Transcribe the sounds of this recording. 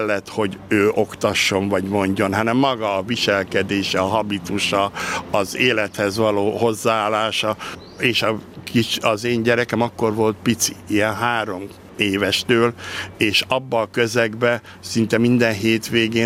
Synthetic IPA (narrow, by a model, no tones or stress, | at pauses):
lːɛt̪ho̞ɟøːʔo̞kt̪ɒʃːo̞ɱvɒɟmo̞ɲɟo̞nɦɒnɛmːɒɡɒːviʃɛlkɛd̪eːʃɛɒɦɒbit̪uʃɒːzeːlɛt̪hɛzʋɒloːho̞zːaaːlːaːʃɒ | eːʃɒkit͡ʃɒzeːɲɟɛɾɛkɛmɒkːo̞rvo̞lt̪̚pit̪si̥ijɛnɦaːɾo̞m | eːvɛʃt̪øːleːʃɒbːɒːkøzɛɡbɛ | sint̪ɛmind̪ɛnɦeːt̪ʋeːɡeː